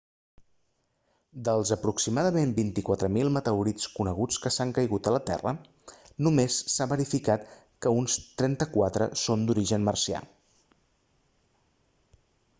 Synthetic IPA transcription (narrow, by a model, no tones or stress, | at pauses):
d̪əlˠzəpɾuksimaðəmembint̪ikwat̪ɾəmilˠmət̪əwɾit͡skunəɣ̞ut͡skəsaŋkəjɣut̪ələt̪ɛ̰rə̰ | numesːaβəɾifikat̪ | kəunst̪ɾɛnt̪əkwat̪ɾə̰sond̪uɾiʒənmərsia̰